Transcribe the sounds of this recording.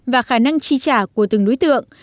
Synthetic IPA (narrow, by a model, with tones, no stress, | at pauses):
vaː˨˩xaː˧˩na˧ŋt͡ɕi˧t͡ɕaː˧˩ku˧˩ət̪ɨ˨˩ŋɗo˨˦jt̪ɨ̰˧˨əŋ